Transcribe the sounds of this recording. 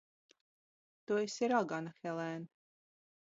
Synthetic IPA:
t̪uisiɾaɡanaxɛlɛn

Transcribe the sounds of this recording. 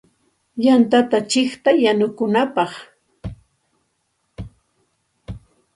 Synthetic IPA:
jant̪at̪at͡ʃɪχt̪ajanʊkʊnapɑχ

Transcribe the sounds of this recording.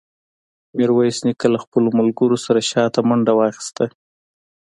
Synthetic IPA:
meɾwajsnikalaxpəlomʊlɡəɾosaɾaʃɑt̪amaɳɖawɑxi̥st̪a

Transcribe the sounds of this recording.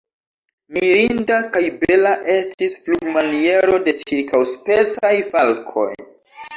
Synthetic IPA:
miɾindakajbe̞laʔe̞stisfluɡmanie̞ɾo̞de̞t͡ʃiɾkʰawspe̞t͡sajfalkʰo̞̰j

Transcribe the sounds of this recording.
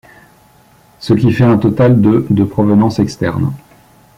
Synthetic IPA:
səkʲifɛɛ̃t̪ɔt̪ald̪əd̪əpχɔvənɑ̃sɛkst̪ɛʁn

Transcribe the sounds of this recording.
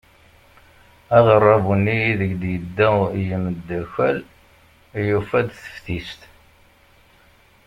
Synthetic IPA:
æʁərˤːɑvunːijiðəɡd̪jəd̪ːæjəməd̪ːæçæl | jufæd̪θə̥fθist̪

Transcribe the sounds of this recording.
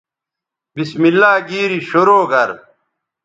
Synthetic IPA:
bismilːaːɡiːɾiɕoɾoːɡɐɾ

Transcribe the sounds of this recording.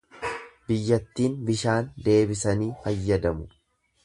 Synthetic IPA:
bɪjːɐt̪ːiːnbɪʃaːnd̪e̞ːbɪsɐniːfɐjːɐd̪ɐmʊ

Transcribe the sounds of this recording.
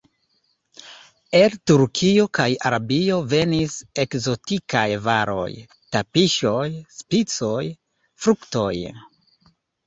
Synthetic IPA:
e̞ltuɾkʰiokajaɾabiove̞nise̞kzo̞tikajvaɾo̞̰j | tapiʃo̞jspit͡so̞j | fɾukto̞j

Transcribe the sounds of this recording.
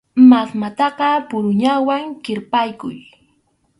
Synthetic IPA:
masmat̪ɑɢɑpʊɾʊɲawaŋkɪɾpajkʊ̰j

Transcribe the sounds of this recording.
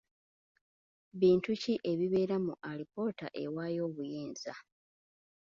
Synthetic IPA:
βiːntuciʔe̞βiβe̞ːɾamuʔalipo̞ːta̰ʔe̞̰waːjo̞ːβujeːnza

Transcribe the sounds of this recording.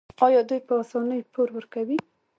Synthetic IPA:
ɑjɑd̪ujpəɑsɑnəjpoɾwəɾkawi

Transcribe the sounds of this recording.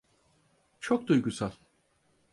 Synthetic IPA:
t͡ʃʰo̞k̚d̪ujɡusal̥ʲˠ

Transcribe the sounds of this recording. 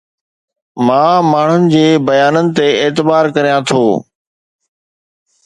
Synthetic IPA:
mãːmaːɳ̤ʊnɪ̆d͡ʑeːbɐjaːnənɪ̆t̪eeːt̪ɪbaːɾkɐɾijãt̪ʰoː

